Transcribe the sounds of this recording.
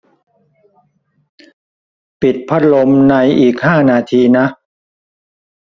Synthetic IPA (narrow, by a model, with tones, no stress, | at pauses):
pi˨˩t̪̚pʰa˦˥t̪̚lo˧mna˧jʔiː˨˩k̚haː˥˩naː˧t̪ʰiː˧na˦˥ʔ